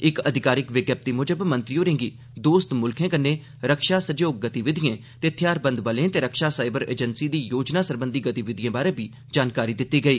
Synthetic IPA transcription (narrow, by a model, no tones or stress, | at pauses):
ɪkəd̪ʱɪkaːɾɪkʋɪɡjəp̚t̪iːmʊd͡ʒəbmə̃nt̪ɾɪjoːɾẽːŋɡiː | d̪oːst̪mʊlkʰẽːkənːeː | ɾəkʃaːsəd͡ʒõːɡət̪iʋɪd̪ɪjẽːt̪eːət̪ʰɪjaːɾbənd̪ʋəlẽːt̪eːɾəkʃaːsaːɪbəɾḛːd͡ʒənsiːd̪iːjoːd͡ʒnaːsəɾbənd̪iːɡət̪iʋɪd̪ʱɪjẽːbaːɾẽːbiː | d͡ʒaːnkaːɾiːd̪ɪt̪ːiːɡəiː